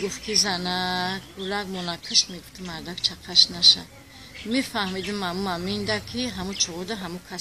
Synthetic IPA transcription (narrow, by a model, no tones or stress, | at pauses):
ɡuft̪kʰizanakbulaɡmɔnakʰəʃt̪miɡuft̪ʰəmaɾd̪akt͡ʃʰaqʰaʃnaʃa̰ | mifahmid̪ɨmːamuamind̪akʰiɦamut͡ʃʰɔʁɔd̪aɦamukʰas